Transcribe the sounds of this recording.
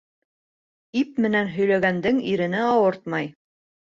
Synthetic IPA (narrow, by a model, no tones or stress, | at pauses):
ip̚mɘ̆nænɦɵ̆jlæɡænd̪ɘŋiɾɘ̆nɘɑwɤɾt̪̚mɑj